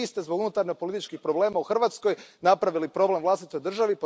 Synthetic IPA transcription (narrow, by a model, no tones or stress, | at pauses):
ist̪ezbo̞ɡunut̪aɾɲopolit̪it͡ʃkixpɾo̞ble̞ːmauxrʋaːt̪sko̞jnapɾaʋilipɾo̞ble̞mvlˠast̪it̪o̞jd̪r̩ʒaʋipo